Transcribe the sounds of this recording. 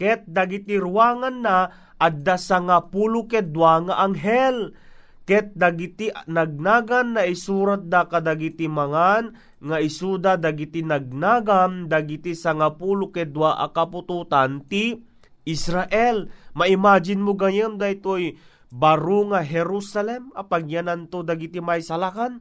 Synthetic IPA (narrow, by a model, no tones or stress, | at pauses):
kɛt̪̚d̪aɡɪt̪iɾʊwaːŋanːa | ʔad̪asaŋapulʊkɛd̪waŋaʔaŋɦɛl | kɛt̪̚d̪aɡit̪inaɡ̚naːɡanːaʔisuːɾat̪̚d̪akad̪aɡit̪imaŋan | ŋaʔɪsuːd̪ad̪aɡit̪inaɡ̚naːɡand̪aɡit̪isaŋapuːlʊkɛd̪waʔa̰kapʊt̪ut̪ant̪i | ʔɪsɾaʔɛlmaʔɪmaːd͡ʒɪnmoɡajəmd̪ajt̪oj | baɾuŋaɦɛɾusalɛmapaɡjanant̪od̪aɡit̪imajsalakan